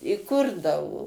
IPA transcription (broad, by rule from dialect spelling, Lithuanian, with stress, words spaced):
ɪ ˈkʊrdɐʋoː